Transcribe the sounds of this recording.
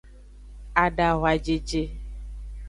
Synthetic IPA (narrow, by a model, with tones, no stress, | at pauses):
a˨ɖa˨ɣa˨d͡ʒe˦d͡ʒe˦